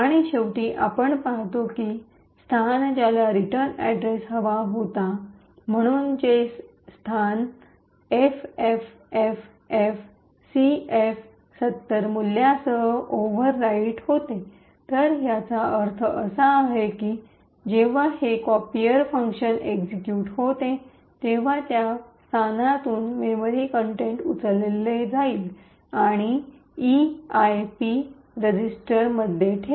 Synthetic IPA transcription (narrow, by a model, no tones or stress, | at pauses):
aɽ̃iɕeʋʈiːʔapəɳpaɦt̪okiː | st̪ʰand͡ʑalaɾiʈəɾnɛ̰ɖɾesɦəʋaɦot̪a | m̤əɽ̃uːnd͡ʑes | st̪ʰan | efef | ef | ef | sief | sət̪ːəɾmuljasəɦəoʋəɾːaiʈhot̪e | t̪əɾɦjat͡saəɾt̪ʰəəsaːɦekiː | d͡ʑeʋ̤ahekɔpiəɾfəŋkɕənekd͡ʑikjuːʈɦot̪e | t̪eʋ̤at̪jast̪ʰanat̪uːnmeməɾikəɳʈeɳʈut͡səlelːed͡zaiːl | aɽ̃i | iajpi | ɾəd͡ʑisʈəɾməd̪ʱːjeʈʰe